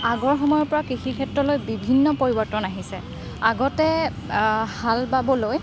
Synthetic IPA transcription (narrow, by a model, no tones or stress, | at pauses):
aɡɔɹxɔmɔjɔɹpɔɹakixikʰɛtɹɔlojbibʱinːɔpoɹibɔɹtɔnaɦisɛ | aɡɔtɛ | halbabɔloj